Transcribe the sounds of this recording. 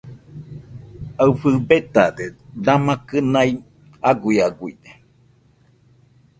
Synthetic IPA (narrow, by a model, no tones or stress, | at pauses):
afɨbet̪ad̪ed̪amãkɨnai | aɡuiaɡuḭne